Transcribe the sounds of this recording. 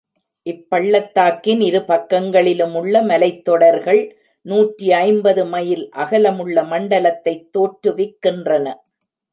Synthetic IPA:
ʔɪpːɐɭːɐt̪ːaːkːɪnɪɾɯpɐkːɐŋɡɐɭɪlɯmʊɭːɐmɐlɐɪt̪ːɔɽɐɾɣɐɭ | nuːʈriɐɪmbɐðɯmɐjɪlʔɐɣɐlɐmɯɭːɐmɐɳɖɐlɐt̪ːɐɪt̪ːoːʈɾɯʋɪkːɪndrɐnɐ

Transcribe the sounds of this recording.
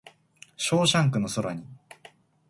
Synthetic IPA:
ɕo̞ːɕãŋkɯ̟no̞soɾaɲ̟i

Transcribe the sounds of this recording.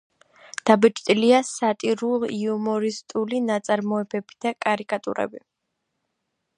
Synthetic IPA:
d̪̥abɛt͡ʃʼt̪ʼiliasat̪ʼiɾulˠiumɔɾist̪ʼulinat̪sʼaɾmɔɛbɛbi̥d̪̥akʼaɾikʼat̪ʼṵɾɛ̰bi

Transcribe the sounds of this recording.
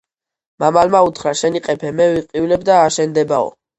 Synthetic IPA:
mamalmaut̪ʰχɾaʃɛniqʼɛpʰɛmɛviqʼivlɛbd̪aːʃɛnd̪ɛbaɔ̰

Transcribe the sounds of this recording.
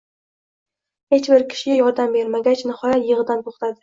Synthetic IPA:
he̞t͡ʃbɪɾkʲʰɪ̥ʃɪɡʲajɒɾd̪ambe̞ɾmaɡʲat͡ʃnɪhɒjat̪jɨʁɨd̪ant̪ʰoχt̪ʰad̪ɪ

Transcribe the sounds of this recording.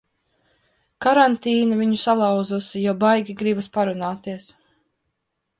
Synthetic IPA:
kaɾant̪iːnaviɲusalˠɑwd̪zusijɔbajɡʲiɡɾibɐspaɾunaːt̪iɛs

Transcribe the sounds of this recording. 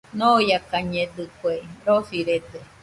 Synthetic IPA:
nõjakaɲẽd̪ɨkʷeɾosiɾed̪e

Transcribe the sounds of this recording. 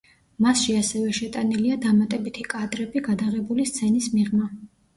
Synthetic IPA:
masʃiasɛvɛʃɛt̪ʼaniliad̪amat̪ʼɛbit̪ʰikʼad̪ɾɛbiɡad̪aʁɛbulist̪sʰɛnismiʁma

